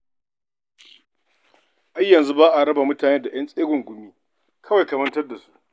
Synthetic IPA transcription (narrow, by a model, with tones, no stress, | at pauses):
ʔa˦jːɐ˨nzu˦baː˦ʔa˨ɾɐ˦ba˨mʊ˦taː˨neː˦da˨j̰ɐ˦nsʼeː˦ɡʷʊ˨ŋɡʷʊ˨miː˦ | kʰɐ˦wa˨jkɐ˨mɐ˦ntɐ˦rda˨su̥˦ʔ